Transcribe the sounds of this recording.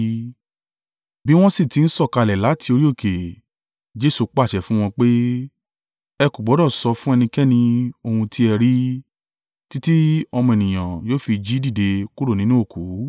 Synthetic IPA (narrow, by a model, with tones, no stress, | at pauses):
bi˦w̃ɔ̃˦si˦˨ti˨˦n̩˦sɔ˦˨ka˧˨lɛ˨la˨˦tʰi˧˦o˧ɾi˦o˦˨ke˨ | d͡ʒe˦su˧k͡pa˦˨ʃɛ˨fũ˦w̃ɔ̃˧k͡pe˦ | ɛ˧ku˨ɡ͡bɔ˨˦dɔ̃˦˨sɔ˧fũ˦ɛ˧nĩ˧kɛ˦nĩ˧o˧hũ˧tʰi˦ɛ˧ɾi˦ | ti˦ti˦ɔ˧mɔ̃˧e˨nĩ˨j̃ã˨joː˦fi˧d͡ʒi˦di˦˨de˧ku˦ɾo˦˨nĩ˨˦nũ˦o˦˨kʰu˨˦